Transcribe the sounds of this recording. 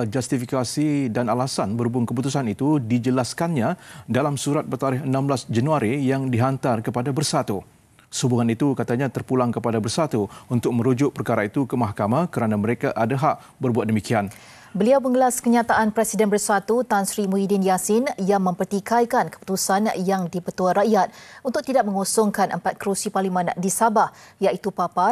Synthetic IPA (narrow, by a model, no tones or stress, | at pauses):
d͡ʒast̪ifikasidanalasanbərubʊŋkəp̬ut̪usanit̪udid͡ʒəlaskanɲãdalamsuɾat̪̚bət̪aɾɪɦənãmblasd͡ʒanuaɾijaŋdiɦant̪arkəpadabərsat̪u | subuŋanit̪ukat̪aɲat̪ərpulaŋkəpadabərsat̪uunt̪ʊk̚mə̃ɾud͡ʒʊʔ̚pərkaɾait̪ukəmaɦkamãkəɾanaməɾekaʔadaɦaʔ | bərbuat̪̚dəmikian | bəliawməŋəlaskəɲat̪aʔanpɾɛsidɛnbərsat̪ut̪ansɾimuidinjasɪnjaŋmə̃mpərt̪ikajkankə̥pu̥t̪usanjaŋdipət̪uaɾaʔjat̪̚unt̪ʊk̚t̪idak̚məŋosɔŋkanʔə̰mpat̪̚kɾusiparlimãndisabahjaʔit̪upapa